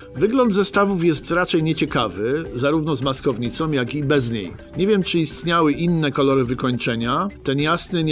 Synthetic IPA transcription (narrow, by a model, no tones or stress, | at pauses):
vɘɡlɔnd̪zɛst̪avufjɛst̪ɾat͡ʂɛjɲɛt͡ɕɛkavɘzaɾuvnɔzmaskɔvɲit̪sɔ̃w̃jakʲibɛzɲḛj | ɲɛvʲjɛmt͡ʂɘist̪ɲawɘʔinːɛkɔlɔɾɘvɘkɔɲt͡ʂɛɲat̪ɛnjasnɘɲ